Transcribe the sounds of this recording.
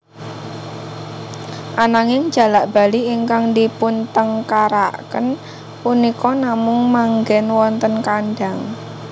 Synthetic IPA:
ʔanaŋɪŋ̥d͡ʒ̥a̤laʔb̥a̤liiŋkaŋdipʊnt̪əŋkaɾaʔkə̰n | punikɔnamʊŋmaŋɡɛnwɔnt̪ənkanɖaŋ

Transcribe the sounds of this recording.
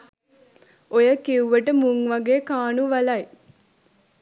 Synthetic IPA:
ojəkiuʋəʈəmuŋʋaɡeːkaːnuʋalaj

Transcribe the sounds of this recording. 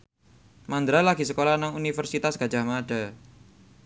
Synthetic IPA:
mand̪ɾalaɡ̥i̤səkolanaŋunifərsit̪asɡ̥a̤̥d͡ʒ̥a̤hmaɖ̥a

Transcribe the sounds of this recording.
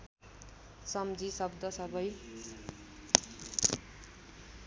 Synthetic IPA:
sʌmd͡zisʌbd̪ʌsʌbʱʌj

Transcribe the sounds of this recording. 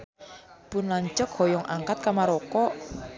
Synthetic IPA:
b̥ʊnlaɲt͡ʃək̚hɔjɔŋʔa̰ŋkat̪̚kamaɾɔkɔ

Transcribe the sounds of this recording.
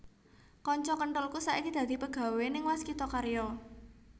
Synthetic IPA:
kɔɲt͡ʃɔkəɳʈʊlkusaʔikid̪̥ä̤d̪̥i̤pəɡ̥a̤wenɪŋwaskit̪ɔkaɾjɔ

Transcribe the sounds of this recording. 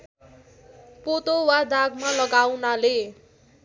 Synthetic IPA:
pot̪owad̪aɡmalʌɡawnale

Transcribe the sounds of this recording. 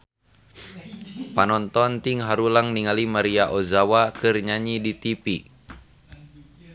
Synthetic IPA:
panɔnt̪ɔnt̪iŋɦaɾulaŋniŋalimaɾiaʔozawakɨrɲaɲidit̪ipi

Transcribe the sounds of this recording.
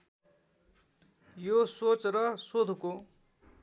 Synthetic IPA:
josot͡srʌsod̪ʱko

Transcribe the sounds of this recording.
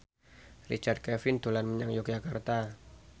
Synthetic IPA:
rḭt͡ʃard̪̚kɛfɪnd̪̥o̤lanməɲaŋjɔk̚d͡ʒakart̪a

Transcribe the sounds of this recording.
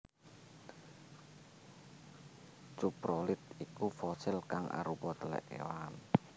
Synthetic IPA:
t͡ʃupɾɔlɪt̪̚ikufɔsɪlkaŋʔa̰ɾupɔt̪əlɛ̰ʔḛwan

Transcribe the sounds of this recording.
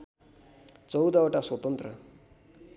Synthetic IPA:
t͡sʌwd̪aoʈaswʌt̪ʌnt̪ɾə̰

